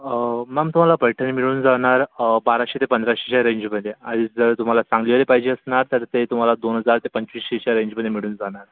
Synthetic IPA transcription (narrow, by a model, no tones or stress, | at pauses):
mamt̪um̤alapəjʈʰənimiɭuːnd͡zaɳ̃aɾbaɾaɕet̪epənd̪ɾaɕeɕaɾeɲd͡ʑməd̪ʱeadiːd͡zəɾt̪um̤alasãŋɡliʋɾepaɦid͡ʑeəsɳaɾt̪əɾt̪et̪um̤alad̪onɦəd͡zaɾt̪epəɲt͡ɕʋiːsɕeɕaɾeɲd͡ʑməd̪ːemiɭuːnd͡zaɽ̃aɾ